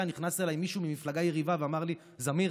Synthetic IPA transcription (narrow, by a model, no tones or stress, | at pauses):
aniχnaselajmiʃumimiflaɡajeʁivaveamaʁli | zami